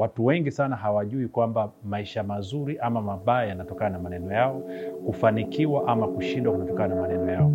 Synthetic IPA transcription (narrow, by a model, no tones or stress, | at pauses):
watuwɛŋɡisanaɦawaʄuikwambamaiʃamazuɾiʔamamaɓaajanatɔkananamanɛnɔjaɔkufanikiwaʔamakuʃindwakunatɔkananamanɛnɔjaɔ